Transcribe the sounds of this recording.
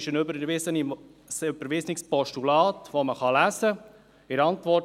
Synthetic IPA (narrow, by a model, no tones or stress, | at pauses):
ʃənøbəɾʋɪsənisʏbəɾvɪsnɪkspɔʃtulɑːtʋoməχɑlæːzə | ɪɾɑntʋɔ